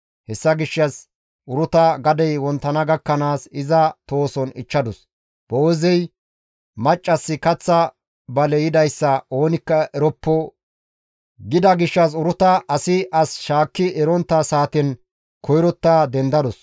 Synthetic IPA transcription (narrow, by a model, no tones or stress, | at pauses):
hɛsːɐɡɪʃːɐs | ʔʊɾʊt̪ɐɡɐd̪ɛjwɔnt̪ːɐnɐɡɐkːɐnaːsɪzɐt̪o̞ːsɔnɪ̰t͡ʃːɐd̪ɔs | b̥owːzɛj | mɐt͡ʃʼːɐsːɪkɐt͡sːɐ | bɐlɛjɪd̪ɐjsːɐo̞ːnɪkːɐʔɛɾɔpːɔ | ɡɪd̪ɐɡɪʃːɐs̬ʊɾʊt̪ɐʔɐsɪʔɐsʃaːkːɪɛɾɔnt̪ːɐsaːt̪ɛn | kɔjɾɔt̪ːaːd̪ɛnd̪ɐd̪ɔs